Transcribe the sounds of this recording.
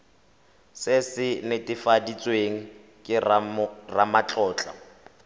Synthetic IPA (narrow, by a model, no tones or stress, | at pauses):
sɪsɪnɪtʼɪfadit͡sʼweŋ̩ | kʼɪrramat͡ɬʼɔːt͡ɬʼa̰